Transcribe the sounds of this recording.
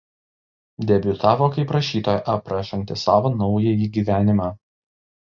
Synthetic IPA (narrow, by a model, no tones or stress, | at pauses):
d̪ʲɛbʲʊt̪ɑːʋoːkɐɪpɾɐʃʲiːt̪oːjʔɐpɾɐʃʲɐŋʲkt̪ʲɪsɑːʋoːnɒʊjɛjiːɡʲiːʋʲæːnʲɪmɑː